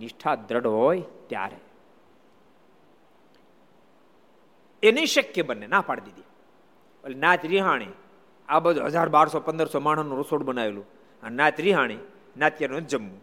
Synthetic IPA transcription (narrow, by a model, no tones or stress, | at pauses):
nɪʃʈʰaːd̪ɾəɽɦoːjt̪ja̰ːɾḛ | eniʃəkjəbənːenapaɽd̪id̪i | bəlnaːt̪ɾiɦaːɽ̃ḭ | aːbəd͡ʒoɦə̰d͡ʒʱaːɾbaːɾsɔpə̃nd̪əɾsɔːmaːɳ̤anũɾəsoːɽbənaːʋelũ | ənnaːt̪ɾiɦaːɽ̃i | nat̪jəɾnũd͡ʒəmːu